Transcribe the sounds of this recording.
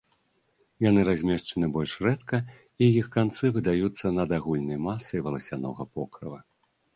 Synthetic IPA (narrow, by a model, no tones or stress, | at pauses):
janɨɾazʲmʲɛʂt͡ʂɐnɨbɔlʲʂrɛt̪kɐ | ijixkant̪sɨvɨd̪ajut̪sːɐnɐd̪aɣulʲnɐjmasːɐjvɐlˠɐsʲanɔ̰ɣɐpɔkɾɐvɐ